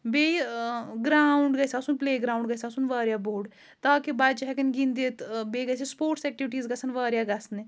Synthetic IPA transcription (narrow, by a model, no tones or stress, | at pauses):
beːɡɾaːʊɳɖɡəsaːsʊnpleːɡɾaːʊɳɖɡəsaːsʊnʋaːɾjaːboːɾɖ | t̪aːkibat͡ʃɦɛkənɡĩnd̪et̪beːɡəsespoːɾʈsɛːk̚ʈiʋɪʈiːzɡəsənʋaːɾjaːɡɐsne